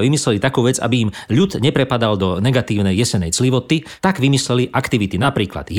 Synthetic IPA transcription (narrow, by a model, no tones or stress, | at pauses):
ʋimislɛlit̪akuːʋɛd͡za̰biimʎud̪ɲɛpɾɛpad̪ald̪ɔnɛɡat̪iːʊnɛjjɛsɛnɛjt͡sliʋɔt̪it̪aɡʋimislɛliʔakt̪iʋit̪inapɾiːkla̰d̪̥